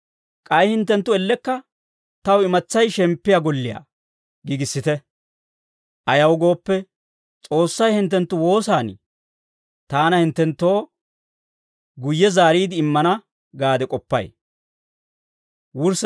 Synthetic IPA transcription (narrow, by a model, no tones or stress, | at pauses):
kʼɐjhɪnt̪ːɛnt̪ːʊɛlːɛkːɐ | t̪ɐwɪmɐt͡sːɐjʃɛmpːɪjaɡɔlːɪja̰ | ɡɪɡɪsːɪt̪ɛ | ʔɐjɐwɡo̞ːpːɛ | t͡sʼo̞ːsːɐjhɪnt̪ːɛnt̪ːʊwo̞ːsaːnɪ̰ | t̪aːnɐhɪnt̪ːɛnt̪ːo̞ː | ɡʊjːɛzaːɾiːd̪ɪɪmːɐnɐ | ɡaːd̪ɛkʼɔpːɐ̰j | wʊɾs